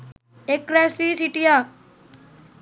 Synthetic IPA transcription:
ekɾɛsiːsiʈija

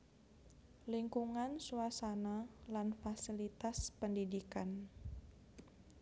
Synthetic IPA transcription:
liŋkuŋansuasanalanfasilit̪aspəndidikan

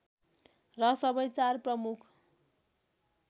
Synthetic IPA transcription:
rʌsʌbʌjt͡sarprʌmukʰ

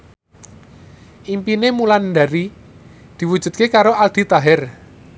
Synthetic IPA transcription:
ʔimpinemuland̪aɾi | d̪̥i̤wu̥ʒ̥ṳd̪̚kekaɾoald̪̥i̤t̪aɦɛr

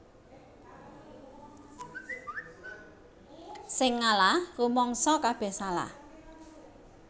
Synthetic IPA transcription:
sɪŋːalarumɔŋsɔkab̥ɛ̤hsala̰

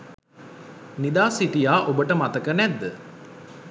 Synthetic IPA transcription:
nid̪aːsiʈijaːʔobəʈəmat̪əkənæd̪ːə

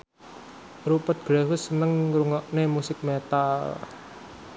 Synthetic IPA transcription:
rupət̪̚ɡ̥ɾaɦʊsənəŋɾuŋɔʔnemusɪk̚met̪al

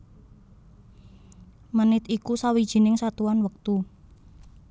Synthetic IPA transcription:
mənɪt̪ikusawid̥ʒ̥i̤nɪŋsat̪uanwək̚t̪u

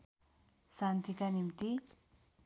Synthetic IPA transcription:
sant̪ʰikanimt̪i

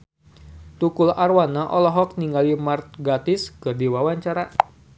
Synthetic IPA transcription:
t̪ukʊlarwanaʔɔlɔɦɔk̚niŋɡalimart̪̚ɡat̪ɪskɨrdiwawaɲt͡ʃaɾa

